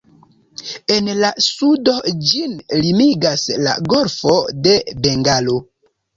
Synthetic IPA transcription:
enlasudo̞d͡ʒinlimiɡasla̰ɡoɾfode̞beŋɡalo

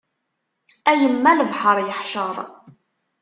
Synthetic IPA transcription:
æjəmːænəvħəɾˤjəħʃəɾˤ

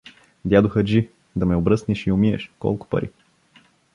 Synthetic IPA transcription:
d̪ʲjad̪ʊxəd͡ʒi | d̪ɐmɛʊbɾɤsniʃiʊmiɛ̰ʃkɔ̰lˠkʊ̥pɐ̰ɾḭ

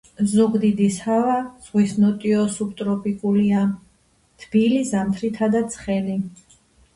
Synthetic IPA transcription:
zuɡd̪id̪ishavaz̥ʁwisnɔt̪ʼiɔsup̚ʼt̪ʼɾɔpʼikʼulia | t̪ʰb̥ilizamt̪ʰɾit̪ʰad̪at̪sʰχɛli

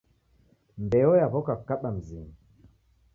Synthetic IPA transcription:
mbɛɔjaβɔkakaɓam̩zimi

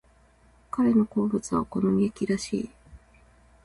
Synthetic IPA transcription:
kaɾe̞no̞ko̞ːbɯ̟t͡sɨβa̰ko̞no̞mʲiekʲiɾaɕḭː

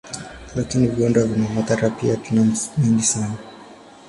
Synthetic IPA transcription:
lakiniviɔndwavinamat̪aɾapiatunamhindisana

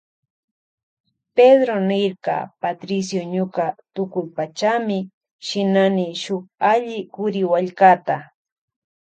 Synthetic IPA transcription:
ped̪ɾonɪɾɢɑ̰pat̪ɾɪs̬joɲʊkat̪ʊkʊjpat͡ʃamɪ | ʃɪnanɪʃʊχaʎɪkʊɾɪwaʎkat̪a

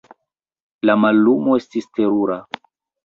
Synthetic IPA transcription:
lamalːumo̞e̞stiste̞ɾuɾa

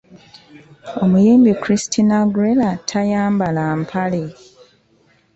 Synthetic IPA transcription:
omujeːmbikuɾistʰinaɡɾelatʰajaːmbalampʰale

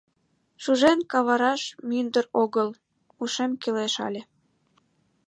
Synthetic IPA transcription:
ʃuʒenkɑβɑɾɑʃmynd̪əɾoɣəl | uʃemkileʃɑ̰lʲe

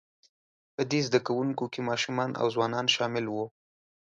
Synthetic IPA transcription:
pəd̪ezd̪akawuŋkokemɑʃumɑnʔa̰wzwɑnɑnʃɑmɪlwu

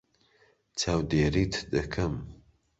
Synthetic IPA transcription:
t͡ʃʰaːwd̪eːɾiːt̪ʰd̪ɐkʰɐm

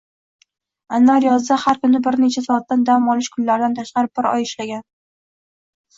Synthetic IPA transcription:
anːaɾjɒzd̪ahaɾkʊnɪbɪɾnet͡ʃʰasɒːt̪ːand̪amɒlˠɪʃkʰʊnlaɾd̪ant̪ʰaʃqɑɾɪp̚bɪɾɒ̰jɪʃlaɡʲan

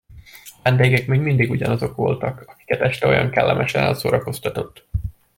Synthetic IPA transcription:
vɛnd̪eːɡɛkmeɲmind̪iɡuɟɒnɒzo̞kʋo̞lt̪ɒkɒki̥kɛt̪ɛʃt̪ɛo̞jɒ̰ŋkɛlːɛ̰mʔɛʃɛnɛ̰lsoːɾɒko̞st̪ɒt̪o̞t̪ː

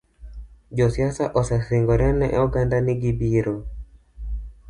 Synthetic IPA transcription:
d͡ʒɔsiasaʔɔsɛsiŋɡɔɾanɛ̰ʔuɡandanɪɡibiɾo

